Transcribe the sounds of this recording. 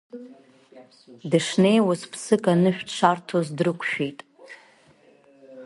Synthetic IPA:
dɨʂne̞jwaspʰsɨkʼanɨʃᶣʂʰartʰozdrɨkʷʰʃᶣejtʼ

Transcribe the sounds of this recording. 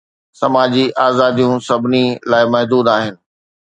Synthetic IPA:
sɐmaːd͡ʑiʔaːzaːd̪ijũsɐbʱɪnilaːɪmɐɦd̪uːd̪aːɦɪnɪ̆

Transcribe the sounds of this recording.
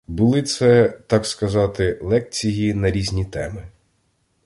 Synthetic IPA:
bʊlˠɪt̪sɛt̪ɑkskɐzɑt̪ɪlˠɛk̚t͡sʲijinɐɾʲizʲnʲit̪ɛmɪ

